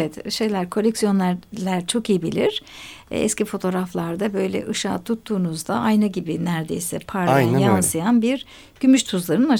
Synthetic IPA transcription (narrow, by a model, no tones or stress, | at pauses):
evɛt̪ʃe̞jlʲæɾkʰo̞lʲɛksijo̞nlʲæɾlʲæɾt͡ʃʰo̞kijibilʲiɾ̥̰ɛ̰scʰifo̞t̪ʰo̞ɾaflˠaɾd̪abø̞jlʲɛ̰ʔɯʃaːt̪ʰut̪ʰːuːnuzd̪aajnɯɟibinæɾd̪ḛjsɛpʰaɾajansɯjanbiɾ | ɟ̥ymyʃt̪ʰuzlˠaɾɯnɯna